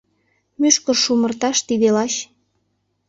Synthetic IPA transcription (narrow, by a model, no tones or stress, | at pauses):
myʃkə̆rʃumə̆rt̪ɑʃt̪id̪elɑɕ